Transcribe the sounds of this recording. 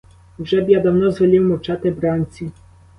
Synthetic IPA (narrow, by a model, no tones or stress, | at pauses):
ɡʐɛbʲjad̪amnɔzvɔlʲiwmɔt͡ʂat̪ɛbɾanʲt̪sʲi